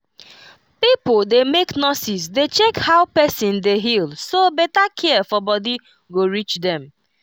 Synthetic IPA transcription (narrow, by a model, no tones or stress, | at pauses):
pipdemeknɔsisdet͡ʃɛkhaʊpɛsɪ̃ndeɦilsobɛtakʰɛfɔbɔdi | ɡoɹit͡ʃdɛ̃m